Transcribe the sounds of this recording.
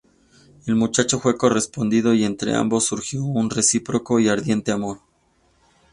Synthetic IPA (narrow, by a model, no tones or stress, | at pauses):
e̞lmut͡ʃat͡ʃo̞fwe̞ko̞re̞spo̞nd̪ið̞o̞ie̞nt̪ɾe̞̰a̰mbo̞sːuɾxjo̞unre̞sipɾo̞ko̞iaɾðje̞nt̪e̞amo̞ɾ